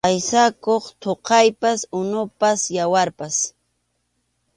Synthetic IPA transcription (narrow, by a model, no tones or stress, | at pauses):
ajsakoχt̪ʰoqɑjpasʊnʊpasjawaɾpas